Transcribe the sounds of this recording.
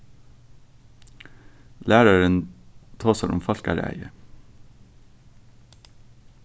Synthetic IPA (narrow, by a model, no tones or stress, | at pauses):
læːɾɑɹənt̪ʰɑːsæɾʊ̰mfɑlkɑæ̰ɾæ̰ɪə̰